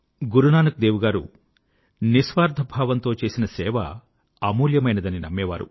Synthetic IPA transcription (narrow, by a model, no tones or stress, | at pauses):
ɡuɾunaːnɐkud̪eːʋuɡaːɾṵ | nisʋaːɾd̪ʱɐbʱaːʋɐnt̪o̞ːt͡ʃe̞ːsinɐsɛːʋɐ̰ | ɐmuːljɐmɐjnɐd̪ɐninɐ̰mːɛːʋa̰ːɾṵ